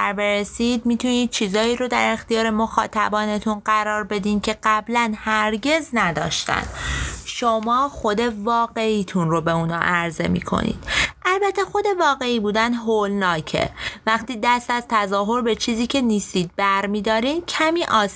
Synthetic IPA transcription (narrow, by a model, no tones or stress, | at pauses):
æɾbe̞ɾesid̪mit̪ʰuniːd̪̥̚t͡ʃʰiːzɒːiːɾod̪æɾe̞xt̪ijɒːɾe̞moxɒ̰ːt̪ʰæbɒːne̞t̪ʰunɢæɾɒːɾbe̞d̪iːncʰe̞ɢæblænhæɾɟe̞znæd̪ɒ̰ːʃt̪æ̰nd̪ʃomɒːxo̞d̪e̞vɒːɣe̞iːt̪ʰunɾo̞beuːnɒ̰ʔæɾze̞̰mḭːkʰo̞̰nḭːd̪̥ʔælbæt̪ʰːexo̞d̪e̞vɒːɣe̞iːbuːd̪ænɦolnɒːcʰe̞̰væxt̪iːd̪æst̪æzt̪ʰæzɒːɦo̞ɾbe̞t͡ʃʰiːziːcʰe̞niːst̪iːd̪̚bæɾmiːd̪ɒːɾiːmcʰæmiːʔɒːs